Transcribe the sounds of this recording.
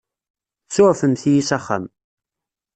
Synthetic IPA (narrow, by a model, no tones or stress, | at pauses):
t͡sːʊʕfənθijisæχa̰m